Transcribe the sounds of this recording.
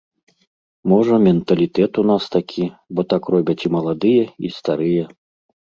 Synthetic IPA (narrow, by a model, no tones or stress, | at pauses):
mɔʐɐmʲɛnt̪ɐlʲit̪ɛt̪unast̪akʲʰibɔt̪akrɔbʲɐt͡sʲimɐlˠad̪ɨjɛḭst̪aɾɨjɛ